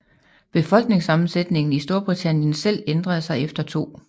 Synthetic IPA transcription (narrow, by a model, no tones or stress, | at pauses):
b̥e̝fɒ̽l̰ɡ̥ne̝ŋsɑ̈mn̩sed̥ne̝ŋn̩isd̥o̝ɐb̥ʁit͡sʰæn̰jənsel̰end̥ʁɐð̞̩ˠsɑ̈ɪefd̥ɐt͡sʰo̝̰ː